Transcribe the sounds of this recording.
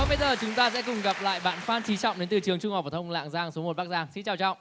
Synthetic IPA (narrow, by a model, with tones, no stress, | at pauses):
o˨˧˦fə˧˦jzəː˨˩t͡ɕʊ˨˦ŋ͡mt̪aː˧sɛ̰˧˥kʊ˨˩ŋ͡mɣa˨˩p̚la̰ː˧˨jɓa̰ː˧˨nfaː˧nt͡ɕʰi˨˦t͡ɕɔ̰˧˨wŋ͡mɗe˨˦nt̪ɨ˨˩t͡ɕɨ˨˩əŋt͡ɕʊ˧ŋ͡mh̚vt̪ʰŋ͡mla̰ː˧˨ŋzaː˧ŋso˨˦mo˨˩t̚ɓa˦˥k̚zaː˧ŋsi˧nt͡ɕaː˨˩wt͡ɕɔ̰˧˨wŋ͡m